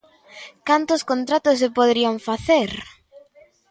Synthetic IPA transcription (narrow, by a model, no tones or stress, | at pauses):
kant̪ʊskõnt̪ɾat̪ʊs̬ːepoðɾiaŋfaθeɾ